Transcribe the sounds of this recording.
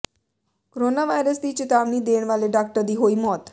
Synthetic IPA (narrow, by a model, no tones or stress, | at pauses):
koɾonaʋajɾəst̪iːt͡ʃɪt̪aʋnid̪eɳʋaleɖak̚ʈəɾd̪iːɦoimɔːt̪